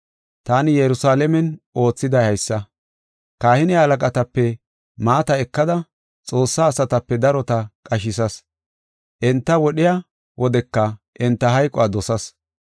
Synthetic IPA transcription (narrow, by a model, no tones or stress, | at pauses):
t̪aːnɪjɛɾʊsaːlɛmɛno̞ːt͡sːɪd̪ɐjhɐjsːɐ | kaːhɪnɪhɐlɐkʼɐt̪ɐpːɛ | maːt̪ɐɛkːɐd̪ɐ | t͡sʼo̞ːsːaːsɐt̪ɐpːɛd̪ɐɾɔt̪ɐkʼɐʃɪsɐs | ʔɛnt̪ːɐwɔɗɪja | wʔɔd̪ɛkːɐʔɪnt̪ːɐɦɐjkʼɔaːd̪ɔsɐs